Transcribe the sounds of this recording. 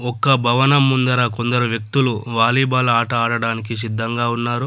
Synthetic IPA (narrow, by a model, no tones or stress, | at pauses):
ɔkːɐbʱɐʋɐnɐmːund̪ɐɾaːko̞nd̪ɐɾuʋjɐk̚t̪uluʋaːliːbaːluaːʈɐaːɽɐɽaːnik̬is̬id̪ʱːɐŋɡaːunːaːɾu